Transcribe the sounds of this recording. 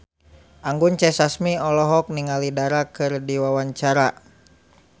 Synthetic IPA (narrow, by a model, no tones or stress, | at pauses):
ʔaŋɡunt͡ʃɛsasmiɔlɔɦɔk̚niŋalidaɾakɨrdiwawaɲt͡ʃaɾa